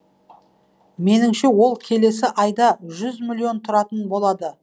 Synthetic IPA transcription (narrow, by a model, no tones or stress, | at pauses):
me̞nɪŋʃe̞wo̞lˠkʲʰe̞le̞sɪʔɑjd̪ɑʒʏzmʲilʲːio̞nt̪ʰʊɾɑt̪ənbo̞lˠɑd̪ə